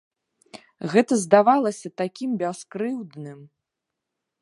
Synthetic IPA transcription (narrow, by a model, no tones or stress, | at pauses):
ɣɛt̪ɐzd̪avalˠɐsʲɐt̪akʲimbʲaskɾɨwd̪nɨm